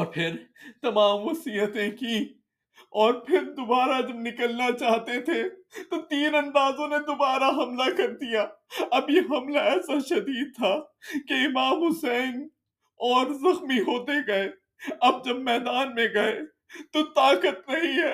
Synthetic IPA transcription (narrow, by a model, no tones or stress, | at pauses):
ɔːɾpʰɪɾt̪ɐmaːmʋɐsiːjət̪ẽkĩ | ɔːɾpʰɪɾd̪obaːɾad͡ʒɐbnɪkəlnat͡ʃaːɦt̪et̪ʰet̪ot̪iːnɐ̃nd̪aːzõned̪obaːɾaɦɐmlakɐɾd̪ijaːɐbjeɦɐmlaɛːsaʃɐd̪iːd̪̚t̪ʰaːkeɪmaːmɦʊsɛːn | ɔːɾzɐxmiɦoːt̪eɡɐeː | ɐb̚d͡ʒɐbmɛːd̪aːnmẽɡɐe | t̪ot̪aːkət̪nɐɦĩɦɛː